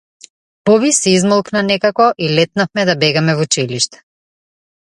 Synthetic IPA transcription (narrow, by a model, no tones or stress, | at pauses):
pɔβisɛizmɔlˠknanɛkakɔʔilɛt̪̚nafmɛd̪abɛɡamɛvut͡ʃiliʃt̪ɛ̥